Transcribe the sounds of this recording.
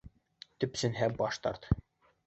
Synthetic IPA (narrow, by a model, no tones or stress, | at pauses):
t̪ɵ̆psɘ̆nɦæbɑʃt̪ɑ̰ɾt̪